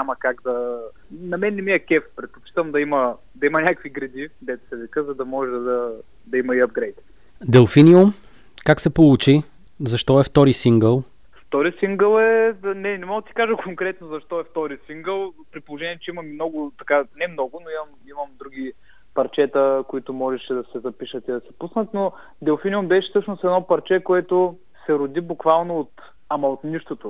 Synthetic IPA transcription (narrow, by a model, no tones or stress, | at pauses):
ɲamɐkaɡd̪ɐ | nɐmɛnːɛmiɐkɛfpɾɛt̪̚pot͡ʃi̥t̪əmd̪ɐimɐ | d̪ɐimɐnʲakviɡɾɐd̪id̪ɛt̪ʊ̥sɛvikəzɐd̪ɐmɔʒɛd̪ɐ | d̪ɐimɐiɐb̚ɡɾɛjt̪ | d̪ɛlˠfinium | kaksɛpolˠut͡ʃi | zɐʃt̪ɔɛft̪ɔɾisiŋɡəlˠ | ft̪ɔɾisiŋɡəlˠɛnɛnɛmɔɡd̪ət̪i̥kaʒəkʰoŋkɾɛt̪nozɐʃt̪ɔɛft̪ɔɾisiŋɡəlˠpɾipolˠoʒɛniɛt͡ʃɛimɐmimnɔɡʊt̪ɐkanɛmnɔɡʊnoimɐm | imɐmd̪ɾuɡʲi | pɐɾt͡ʃɛt̪əkoit̪ʊmɔʒɛʃɛd̪ɐsɛzɐpiʃət̪id̪ɐsɛ̥pusnət̪no | d̪ɛlˠfiniumbɛʃɛ̥sɤt͡ʃnʊsɛd̪nɔpɐɾt͡ʃɛkoɛt̪o | sɛɾod̪ibukvalˠnoːt̪ | ɐmɐot̪niʃt̪ot̪o